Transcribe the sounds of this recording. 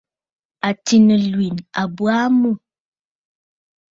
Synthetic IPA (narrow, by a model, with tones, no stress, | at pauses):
a˨ti˨nə˨lwi˨na˨bwa˦mu˦˨